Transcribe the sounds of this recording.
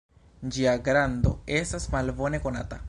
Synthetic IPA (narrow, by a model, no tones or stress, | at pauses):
d͡ʒiaɡɾand̪o̞̰e̞stasmalbo̞ne̞ko̞na̰ta